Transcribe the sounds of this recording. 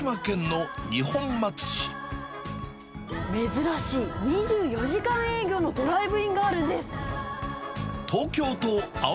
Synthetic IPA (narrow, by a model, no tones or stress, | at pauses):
iβakẽ̞nːo̞ɲʲihõ̞mːat͡sɨ̥ɕi̥ | me̞zɨɾaɕiːɲ̟iʑɨːjo̞ʑikãɰ̃e̞ːɡʲo̞ːno̞t̪o̞ɾaibɯ̟ĩŋɡaːɾɯ̟nd̪e̞sɨ̥ | t̪ʰo̞ːkʲo̞ːt̪o̞a